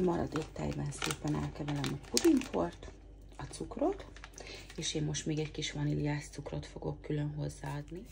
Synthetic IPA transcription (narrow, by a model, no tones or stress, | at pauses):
mɒɾɒ̰d̪eːkt̪ɛ̰jbɛnseːpɛnɛ̰lkɛvɛlɛmɒpud̪impʰo̞rt̪ | ɒt̪sukro̞t̪ | eːʃeːmːo̞ʃt̪meːɡɛckiʃʋɒnilijaːst̪sukro̞t̪fo̞ɡo̞kːylø̞nɦo̞zːaːɒd̪ni